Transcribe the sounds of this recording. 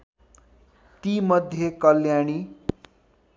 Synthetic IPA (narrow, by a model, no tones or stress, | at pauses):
t̪imʌd̪ʱjekʌljaɽ̃i